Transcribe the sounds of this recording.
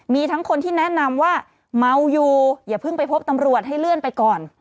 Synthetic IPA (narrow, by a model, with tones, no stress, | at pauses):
miː˧t̪ʰa˦˥ŋkʰo˧nt̪ʰiː˥˩nɛ˦˥na˧mwaː˥˩ | ma˧wjuː˨˩jaː˨˩pʰɯ˥˩ŋpa˧jpʰo˦˥p̚t̪a˧mɾu˨˩ət̪̚ɦa˥˩jlɯ˥˩ənpa˧jkɔː˨˩n